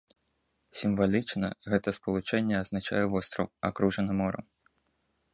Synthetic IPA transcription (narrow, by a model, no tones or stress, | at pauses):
sʲimvalʲit͡ʂnɐ̰ɣɛt̪ɐspɐlˠut͡ʂɛnʲːɛɐznat͡ʂa̰jɛvɔst̪ɾɐ̰wa̰kɾuʐɐnɐmɔɾɐ̰m